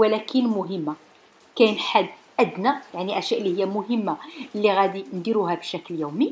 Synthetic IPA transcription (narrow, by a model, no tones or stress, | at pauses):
wəlækənmʊɦəmːa | kæjnħad̪ːʔæd̪næjaʕniʔæʃæʔlːihəjːæmʊɦəmːalːiɣæd̪ind̪iɾuɦæbəʃækljuwmi